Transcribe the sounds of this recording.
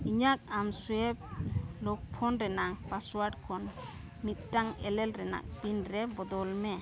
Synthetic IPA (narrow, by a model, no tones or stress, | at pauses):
iɲak̚amsuɛp̚lɔk̚pʰɔnɾɛnaŋpaswaʈkʰɔn | mit̪̚ˀdaŋɛlɛlɾɛna̰k̚binɾɛbɔd̪ɔlmɛ